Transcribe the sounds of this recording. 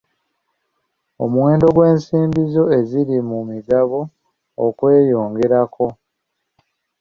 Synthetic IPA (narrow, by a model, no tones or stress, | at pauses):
o̰muweːndo̞ɡwe̞ːnsiːmbizo̞e̞ziɾimumiɡaβo̞̰ː | kwe̞ːjo̞ːŋɡe̞ɾakʰo̞